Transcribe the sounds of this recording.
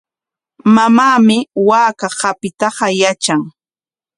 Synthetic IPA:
mamaːmɪwaːkaɢapɪt̪ɑɢɑjat͡ʃaŋ

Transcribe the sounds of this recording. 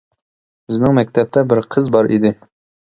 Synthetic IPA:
bɪznɪŋmɛk̚ʲt̪ʰɛp̚t̪ʰɛbɪɾqʰəzbɑɾid̪ɪ

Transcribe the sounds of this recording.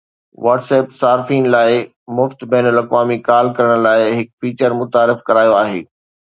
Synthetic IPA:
ʋaːʈseːpsaːɾfiːnlaːɪ | mʊft̪bɛːnəlɐkʋaːmikaːlkɐɾəɽ̃laːɪɦɪkfiːt͡ɕəɾmʊt̪aːɾɪfkɐɾaːijoaːɦḛː

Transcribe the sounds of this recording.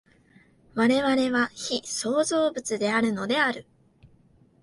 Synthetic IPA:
βaɾe̞βaɾe̞βaçiso̞ːzo̞ːbɯ̟t͡sɨd̪e̞aɾɯ̟no̞d̪e̞aɾɯ̟

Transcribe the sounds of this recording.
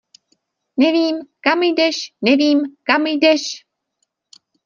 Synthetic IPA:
nɛviːmkamjdɛʃnɛviːmkamjdɛʃ

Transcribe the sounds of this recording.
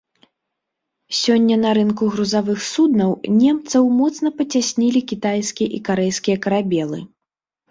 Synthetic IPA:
sʲɔnʲːɐnɐɾɨnkuɣɾuzavɨxsud̪nɐwnʲɛmt̪sɐwmɔt̪snɐpɐt͡sʲasʲnʲilʲikʲit̪ajskʲijɛʔikaɾɛjskʲijɐkɐɾabʲɛlˠɨ̰

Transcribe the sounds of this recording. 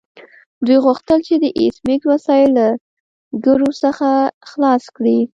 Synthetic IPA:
d̪ujɣuxt̪əlt͡ʃed̪əʔḭsmikwasɑjɪlːa | ɡəɾosəxaxlɑskɽi

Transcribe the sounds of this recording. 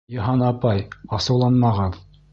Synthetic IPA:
jɤ̆ɦɑnɑpɑjɑsɤ̆wlˠɑnmɑʁɤð

